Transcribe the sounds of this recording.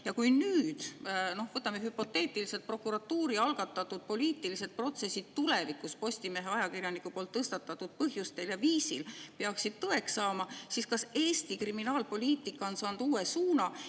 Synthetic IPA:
jɑkujnyːd̪̥no̞hvɤt̪ːˑɑmeɦypːo̞t̪ːˑe̞ːt̪ːˑiliset̪̚pro̞kːˑuɾɑt̪ːuːɾiɑlɡ̥ɑt̪ːˑɑt̪ːˑud̪̥̚po̞liːt̪ːˑilise̞t̪̚pro̞t̪se̞sʲːid̪̥̚t̪ulevikːˑuspo̞sʲt̪ime̞ɦeɑjɑkirjɑnikːˑupo̞lt̪ːɤst̪ɑt̪ːˑɑt̪ːˑud̪̥̚pɤɦjust̪e̞ljɑviːsilpeɑksid̪̥̚t̪ɤe̞ksɑːmɑsiskɑse̞ːsʲt̪ikriminɑːlpo̞lʲiːt̪ːˑikːˑɑo̞nsɑːnd̪uːe̞suːnɑ

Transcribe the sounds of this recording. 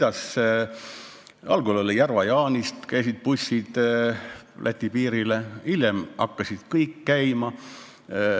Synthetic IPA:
d̪̥ɑs | ɑ̰lɡulolːijærvɑjɑːnist̪kæjs̬id̪̥̚pusʲːid̪̥ | lʔæt̪ʲːipiːɾileiljɛmɑkːɑsid̪̥kɤjkːæjmɑ

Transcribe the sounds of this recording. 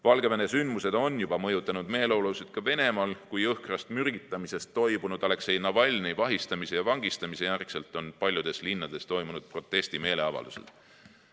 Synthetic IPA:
vɑlɡ̥e̞vene̞synd̪̥muse̞d̪̥o̞nːjub̥ɑmɤjut̪ːˑɑnud̪̥me̞ːlowlowset̪̚kɑve̞ne̞mɑːlkujɤhkrɑst̪myrɡ̥it̪ːˑɑmise̞st̪ːo̞jbunud̪̥le̞kseinːɑvɑlʲnejvɑɦist̪ɑmisejɑvɑŋɡist̪ɑmisejærkselt̪ːˑo̞npɑlʲjud̪̥e̞slinːɑd̪̥e̞st̪o̞jmunud̪̥̚pro̞t̪ˑːe̞st̪ime̞ːle̞ɑvɑ̰ld̪usḛlt̪

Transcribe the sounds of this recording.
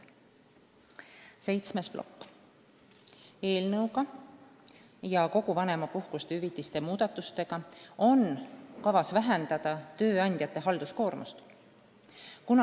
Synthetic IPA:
se̞jt̪sme̞splo̞̰kː | e̞ːlnɤwɡɑ | jɑko̞ɡuvɑne̞mɑpuhkust̪eyvit̪ːˑist̪e̞muːd̪̥ɑt̪ːˑust̪e̞ɡ̥ɑo̞nkɑvɑsvæɦend̪̥ɑd̪̥ɑt̪ø̞ːɑnʲd̪̥jɑt̪ːˑe̞ɦɑld̪̥usko̞ːɾmṵst̪ | kunɑ

